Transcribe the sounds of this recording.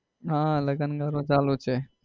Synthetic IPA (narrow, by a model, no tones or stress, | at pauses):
ɦãləɡənɡaɾõd͡ʒaːlut͡ʃʰe